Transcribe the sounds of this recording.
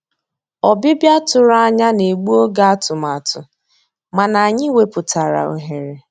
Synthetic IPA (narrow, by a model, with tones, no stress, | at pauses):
ɔ˨bɪ˦bja˦tʊ˨ɾa˦a˦ɲa˦ne˨ɡ͡bu˦o˦ɡa˦a˦tʊ˨ma˨tʊ˨ | ma˨na˨a˨ɲɪ˦we˦pʊ˨ta˨ɾa̰˨o̰˨ɦe˨ɾe˨